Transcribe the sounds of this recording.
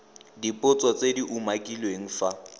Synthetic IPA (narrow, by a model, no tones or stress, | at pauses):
dipʼʊt͡sʼɔt͡sʼediʔumakʼilweŋ̩fa